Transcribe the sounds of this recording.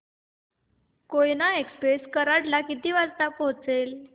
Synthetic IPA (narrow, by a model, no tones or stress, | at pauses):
kojnaekspɾeskəɾaɽlakit̪iːʋad͡zt̪apɔɦt͡sel